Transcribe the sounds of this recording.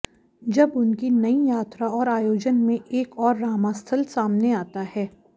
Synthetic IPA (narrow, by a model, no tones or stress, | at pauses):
d͡ʒɐbʊnkinɐijaːt̪ɾaɔːɾaːjoːd͡ʒənmẽeːkɔːɾːaːmast̪ʰəlsaːmneaːt̪ahɛː